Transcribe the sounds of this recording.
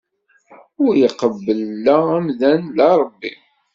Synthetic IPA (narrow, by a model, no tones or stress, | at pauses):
ʊɾjəqəbːəlːææmðænlæɾˤəbːḭ